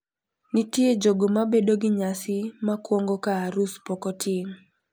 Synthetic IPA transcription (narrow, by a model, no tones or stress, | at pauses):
nɪtjed͡ʒoɡomabedoɡɪɲasɪmakwɔŋɡokaaɾuspokotʰɪŋ